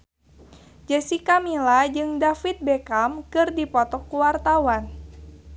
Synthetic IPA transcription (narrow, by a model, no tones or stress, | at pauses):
d͡ʒɛsikamilad͡ʒɨŋdafit̪̚bɛkamkɨrdipɔt̪ɔkːuwart̪awan